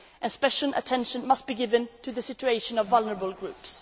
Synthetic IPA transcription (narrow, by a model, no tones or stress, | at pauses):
ʔɨ̃nspɛʃl̩ˠə̰tʰɛ̃nʃɨ̃nmʌst̚b̥iɡɪvɨ̃ntʰɨðɨsɪt͡ʃʉeɪʃɨ̃nʌvʌlˠnə˞əbəl̩ˠɡɹʉps